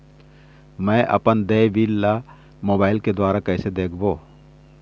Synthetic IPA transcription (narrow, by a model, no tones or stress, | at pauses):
mɛ̃ːʔɐ̰pənd̪eːʋilːa | moːbaːɪlked̪waːɾakɛːsed̪eːkʰboː